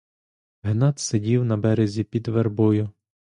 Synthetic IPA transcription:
ɦnɑt̪sedʲiwnɐbɛɾezʲipʲid̪ʋerbɔjʊ

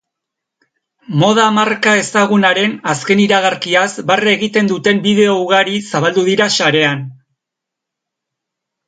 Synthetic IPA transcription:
mo̞ð̞amarkae̞saɣ̞unaɾe̞naske̞niɾaɣ̞aɾkiasbareɣit̪e̞nd̪ut̪e̞mbiðe̞o̞uɣ̞aɾisaβ̞ald̪uðiɾaʃaɾe̞an

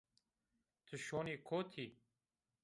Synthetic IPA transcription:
t̪ʰuɕoːniːkʰoːt̪ʰiː

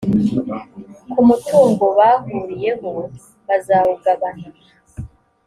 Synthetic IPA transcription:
kumutʰuːŋɡo̞βaːhuːɾije̞ɦo | βazaːβuɡaβan̥u | a

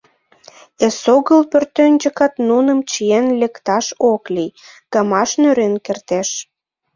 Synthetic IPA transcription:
esoɣəlpørt̪ønʲd͡ʒəkɑt̪nunəmt͡ɕijenlekt̪ɑʃoklij | ɡ̥ɑmɑʃnøɾenkert̪eʃ

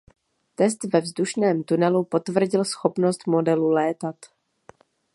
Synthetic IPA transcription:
t̪ɛst̪vɛvzduʃnɛːmt̪unɛlupo̞t̪vr̩ɟɪlsxo̞pno̞st̪mo̞dɛlulɛːt̪at̪

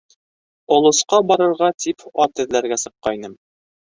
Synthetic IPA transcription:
ŏlˠŏsqɑbɒɾɤ̆ɾʁɑt̪ʰipɑt̪ɘ̆ðlæɾɡæsɤ̆qːɑjnɤm

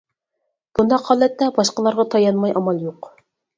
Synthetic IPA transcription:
b̥und̪ɑqhɑːlˠɛt̪ːɛbɑʃqɑlˠɑɾʁɑt̪ʰɑjɑnmɑjʔɑmɑlˠjuq

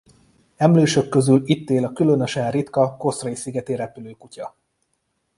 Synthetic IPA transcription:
ɛmløːʃø̞kːø̞zylit̪ːeːlɒkylø̞nøʃɛrit̪kɒko̞srɒisiɡɛt̪eɾɛpyløːkucɒ

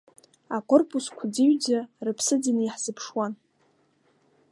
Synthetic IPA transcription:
akʷʼorpʼuskʷʰadiɥd͡zarɨpʰsɨdiniħz̥ɨpʰʂwan

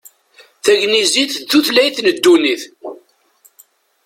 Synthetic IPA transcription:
θæʝniziθθuθlæjθnəd̪ːuniθ

